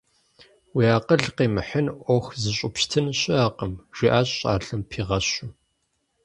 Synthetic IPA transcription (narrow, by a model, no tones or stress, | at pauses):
wiːaːqəɮqeːmɨħənʔʷɔxzɨɕʷʼʊpʃtʰɨnɕʼɪaːqəmʒ̥iːʔaːɕʼɕʼa̰ːɬɨmpʰiːʁɐɕʊ